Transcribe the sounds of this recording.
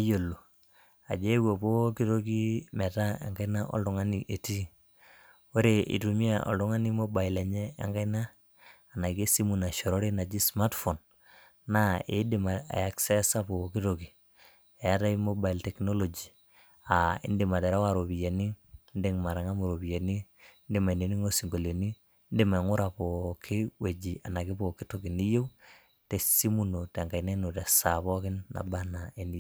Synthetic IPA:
a˦jo˨lːo˨ | a̰˨d͡ʒe˦wo˨po˦ki˦to˦ki˦mɛ˨ta˦ḛ˨ŋɡa˦i˦na˦ʔɔ̰˦ldɔ˦ŋa˦niʔe˨ti˦ | o˦ɾe˨ʔḭ˨tu˨mi˦aɔ̰˨ldu˦ŋa˦ni˦mo˦ba˨i˨lɛ˨ɲɛ˦a̰˦ŋɡa˦jnaː˦˨ | na˨ɡe˦si˦mu˨na˨ʃɔ˨ɾo˦ɾi˦na˨d͡ʒi˦sma˦tfo˨nː | a˦ḛ˨˦di˨ma˨a̰˨ja˨ksɛ˦sa˦po˨ki˦to˨ki˨ | e˨a˦ta˦i˦mo˦ba˨i˨ltɛ˨kno˦lo˨d͡ʒi˨ | a˨ɪ̰˦ndi˨ma˨de˨ɾa˦wa˨ɾo˨bi˨je˨ni˦ndi˦ŋma˨ɾa˨ŋa˦mo˨ɾo˨bi˨je˨ni˦ | ndi˦ma˨i˨ne˨ni˦ŋo˦si˨ŋɡo˨le˨ni˦ | ndɪ˦ma˨ŋu˦ɾa˨pɔ˨kʰi˦we˨d͡ʒi˨a˨na˨ɡi˦bo˨ki˦to˨ɡi˨ni˦je˦w | te˨si˦mu˦no˨ta˨ŋɡa˨jne˦no˨tɛ˨sa˨βɔ˦kɪ˦nːa̰˨ba˦na˨e˨ni˦

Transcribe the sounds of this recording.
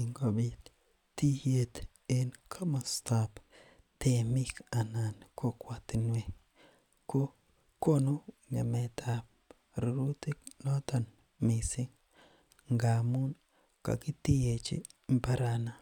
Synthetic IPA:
iŋɡo˨bi˦t | ti˦hje˦t̪ | e˦nkʰa˦ma˨st̪ap | te˨mɪ˦ka˨na˨nko˦kwa˨t̪ɪ˨nwe˦ | ko˦ | ko˦no˦ | ŋe˨mɛ˨t̪ʰa˨p̚ | ɾo˨ɾu˦t̪i˦klɔ˦t̪a˨n | mɪ˨sɪ˦ŋ | ŋɡa˨mu˦n | ka̰˨kɪ˦t̪i˦je˨t͡ʃɪ̰˦mpa˦ɾana˨

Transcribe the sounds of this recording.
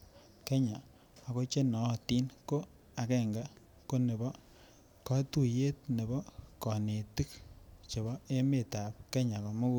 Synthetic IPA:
ke˦ɲaː˨ | ko˦t͡ʃe˦nɔ˨˦˨ti˦nko˦ | a˨kɛ˦˨ŋɡa˦ | ko˦ne˨bɔ˦ | kɔ˦tu˦˨je˦t̚ne˨bɔ˦kɔ˨ne˨ti˦kt͡ʃe˨βɔ˦e˦me˨ta˨p̚ke˦ɲa˨ko˨mo˦ku˦

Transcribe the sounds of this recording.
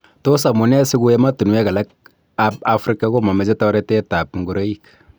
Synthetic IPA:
to˦sa˨mu˨nɛ˦sɪ˦ɡu˦jɛ˦ma˦tu˨n˨˦ɛ˦ka˨la˦k̚ | aba˦fɾi˦ka˦ko˦ma˨mɛ˨d͡ʒɛ˦ta˦ɾɛ˦tɛ˦ta˨pŋɡu˨ɾa˦ji˦k

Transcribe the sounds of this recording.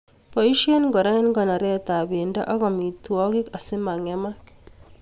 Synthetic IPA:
pɔ˨i˦ʃe˦nɡɔ˨ɾa˦nɡɔ˨na˨ɾɛ˦ta˨be˨nda̰˦ʔa˦ɣɔ˨mi˨twɔ˦kɪ˦ka˨sɪ˦ma˨ŋɛ˦ma˦k

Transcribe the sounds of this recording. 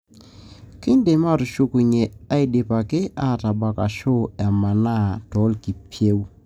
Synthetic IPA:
kɪ˦nde˨ma˦˨ɾʊ˨ʃu˦ku˨ɲɛ˨a˦i˨dɪ˨pa˨kɪ˦a˦˨ta˨ba˨ka˨ʃo˦ɛ˨ma˨na˦˨tɔ˨˦lki˨pʰje˦w

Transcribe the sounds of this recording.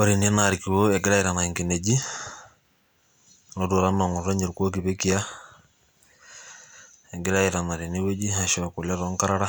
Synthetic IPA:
o˨ɾi˨n˨e˦na˨ɾiki˨wo˦ɛ˨ɡɪ˦ɾa˦iɾa˨na˨i˨ŋki˨ne˨d͡ʒi˦ | no˦du˨ɾa˦ma˨ŋʊ˨ɾa˦ɲe˨ɾko˦ki˨be˦ki˨ja˦ | ɛ˨ɡɪ˦ɾa˦i˨ɾa˨na˨ɾi˨ne˦we˦d͡ʒi˦a˨ʃɔ˨ku˨lɛ˦ɾɔ˦ŋ˦ka˦ɾa˦ɾa˦

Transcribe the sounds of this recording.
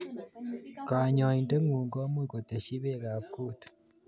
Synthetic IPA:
ka˨ɲɔ˨i˨nde˦ŋu˨ŋɡo˦mwi˦˨ko˨te˨ʃi˦βe˦˨ɣa˨ku˦tu̥

